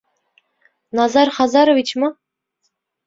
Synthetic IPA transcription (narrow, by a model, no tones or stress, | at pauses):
nɑzɑɾχɑzɑɾovit͡ɕmɑ